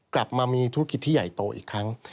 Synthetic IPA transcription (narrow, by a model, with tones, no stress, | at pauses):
kla˨˩p̚maː˧miː˧t̪ʰu˦˥ki˨˩t̪ʰːiː˥˩ja̰˨˩jt̪oː˧˩ʔḭː˨˩kʰɾa˦˥ŋ